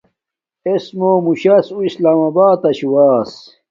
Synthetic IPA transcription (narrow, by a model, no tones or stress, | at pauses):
esmoːmuɕɐsuislaːmabaːt̪ɐɕuwaːs